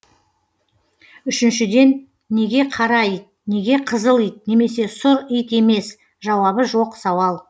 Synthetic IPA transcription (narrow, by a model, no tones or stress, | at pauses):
ʏʃɪnʃɪd̪e̞nː | e̞ɡʲe̞qʰɑɾɑijt̪̚ne̞ɡʲe̞qʰəzəlˠijt̪̚ne̞me̞se̞sʊɾijt̪e̞me̞s | ʒɑwɑβəʒo̞qsɑwɑlˠ